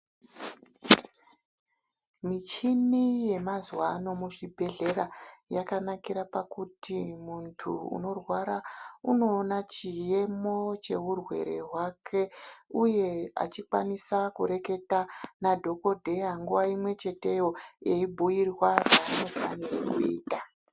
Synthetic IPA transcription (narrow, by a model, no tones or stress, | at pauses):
mit͡ʃinije̞mazwano̞muʐibʱe̞ɮe̞ɾajakanakiɾapakutimuntʰṵṵno̞rwaɾauno̞ːnat͡ʃije̞mo̞t͡ʃe̞ɣurwe̞̰ɾe̞̰ɦwakʰe̞uje̞a̰t͡ʃikwanisakuɾe̞ke̞tanadʱo̞ko̞dʱe̞jaŋɡuʋaimwe̞t͡ʃe̞te̞jo̞eibʱujirwaʐaino̞fa̰nirakuḭːta